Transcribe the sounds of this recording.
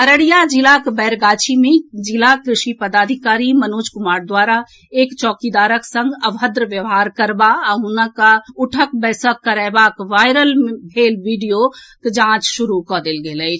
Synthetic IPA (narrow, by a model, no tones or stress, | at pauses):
əɾəɽijad͡ʒilakbɛɾɡaːt͡ʃʰimẽd͡ʒilakɾɪʃipəd̪aːd̪ʱikaːɾimənoːd͡ʒkʊmaːɾd̪waːɾa | eːkt͡ʃɔːkid̪aːɾəksə̃ŋɡəbɦəd̪ɾʋjəʋɦaːɾkəɾbaəɦunəkaʊʈʰək̚bɛːsəkːəɾaːbakʋaːɪɾəlmbʱeːlʋiɖijokd͡ʒãːt͡ʃʃʊɾukɔd̪elɡeləjt͡ʃʰ